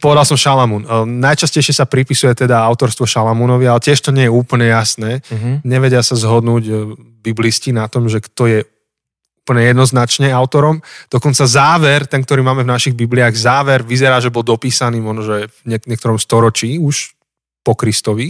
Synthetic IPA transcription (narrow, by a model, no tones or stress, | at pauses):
pɔʋɛd̪alˠsɔmʃalamuːnnajt͡ʃascɛjʃɛsapɾipisujɛt̪ɛd̪aaʊt̪ɔɾst̪ʋɔʃalamuːnɔʋialɛcɪɛʃt̪ɔɲɪɛjɛuːpl̩ɲɛjasnɛːɲɛʋɛɟɪasazɦɔd̪nuːɟ | bibliscinat̪ɔmʒɛkt̪ɔjɛ | uːpl̩ɲɛjɛd̪nɔznat͡ʃɲɛaʊt̪ɔɾɔmd̪̥ɔkɔnt͡sazaːʋɛɾt̪ɛnk̚t̪ɔɾiːmaːmɛvnaʃiɣbibliaɣzaːʋɛɾʋizɛɾaːʒɛbɔlˠd̪ɔpiːsaniːmɔʒnɔʒɛɲɛɲɛk̚t̪ɔɾɔmst̪ɔɾɔt͡ʃiːuʃ | pɔkɾist̪ɔʋi